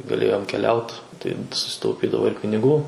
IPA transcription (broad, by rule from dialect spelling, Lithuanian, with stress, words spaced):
ɡɐˈlʲeːjoːm kʲɛˈlʲɛʊt ˈtɐɪ sʊsʲɪtɐʊˈpʲiːdɐʋoː ɪr pʲɪnʲɪˈɡuː